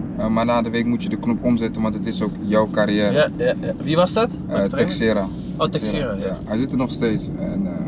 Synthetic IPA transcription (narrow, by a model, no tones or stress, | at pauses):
əmanaːdəʋeːkmutjədəknɔpɔmzɛtənʋantdətɪsoːkjɔwkaɾiɛːɾəʋiʋɔsdɔt | ɛksɪɾa | otɛjahɛjzɪtənɔxsteːs | ɛn